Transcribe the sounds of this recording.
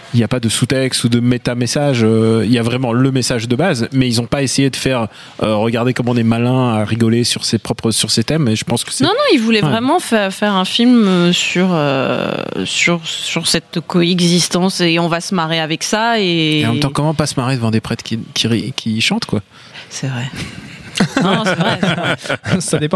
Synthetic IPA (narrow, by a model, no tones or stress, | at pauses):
iljapad̪əsut̪ɛkst̪ud̪əmet̪amesaʒøiljavʁɛmɑ̃ləmesaʒd̪əbazmɛilzɔ̃paesejed̪əfɛʁ | øʁəɡaʁd̪ekɔmɑ̃ɔ̃nɛmalɛ̃aʁiɡɔlesyʁsepχɔpχəsyʁset̪ɛmeʒəpɑ̃skə̥sɛnɔ̃nɔ̃ilvulɛvʁɛmɑ̃fɛʁfɛʁɛ̃filmøsyʁø̰ | syʁsyʁsɛt̪kɔɛɡzist̪ɑ̃seɔ̃vasəmaʁeavɛksaẽɑ̃kɔmɑ̃pasəmaʁed̪əvɑ̃d̪epχɛt̪kʲikʲiʁikʲʰiʃɑ̃t̪kwa | sɛvʁɛ | ɔsɛvʁɛ | sad̪epɑ̃